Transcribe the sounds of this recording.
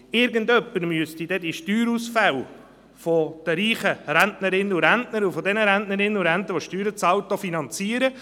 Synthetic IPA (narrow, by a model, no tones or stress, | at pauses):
ɪɾɡənd̪œpːəɾmyəst̪id̥̪ɛd̪iʃtyːɾusfæw | fɔd̪̥əɾiːχəɾæntnəɾɪnːəuɾæntnəɾufɔd̪ɛnəɾæntnəɾɪnːəuɾænt̪əʋoʃtyːɾət͡sɑwt̪ːofinɑnt͡siəɾə